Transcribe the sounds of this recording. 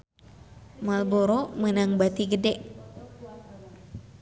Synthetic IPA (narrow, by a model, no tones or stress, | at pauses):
malboɾɔmənaŋbat̪iɡədɛʔ